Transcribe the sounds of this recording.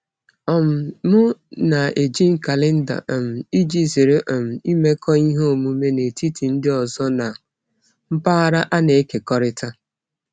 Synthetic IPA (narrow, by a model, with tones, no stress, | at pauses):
ɔ˦˨m̩˨mʊ˦na˨e˨d͡ʒi˦ŋ̩˨ka˨lɪ˦n̩˦da̰˨m̩˨i˦d͡ʒi˦˨zi˨ɾe˦ʔɔ˨m̩˨i˦me˦kʰɔ˦i˦ɦo˨mu˨me˦ne˨ti˦ti˨n̩˦dɪ˦ɔ˨zɔ˦na˨ | m̩˦pa˦a˦ɾa˦ʔa˦ne˨e˦ke˨kɔ˦ɾɪ˦ta˦